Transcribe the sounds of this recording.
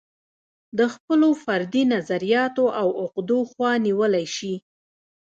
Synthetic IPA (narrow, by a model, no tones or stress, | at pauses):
d̪əxpəlofaɾd̪inazaɾijɑt̪oʔawʊqd̪oxwɑniwəlajʃi